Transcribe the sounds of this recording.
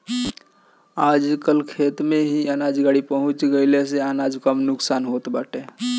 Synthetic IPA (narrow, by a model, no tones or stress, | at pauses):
aːd͡ʒkəlkʰeːt̪mẽɦiaːnaːd͡ʒɡaːɽipəɦʊ̃t͡ʃɡəɪles̬eaːnaːd͡ʒkəmnʊksaːnɦoːt̪baːʈe